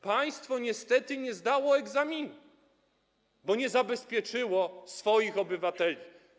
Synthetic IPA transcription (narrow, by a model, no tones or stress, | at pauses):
paj̃st̪fɔɲɛst̪ɛt̪ɘɲɛzd̪awɔɛɡzamʲinu | bɔɲɛzabɛspʲjɛt͡ʂɘwɔsfɔjixɔbɘvat̪ɛlʲi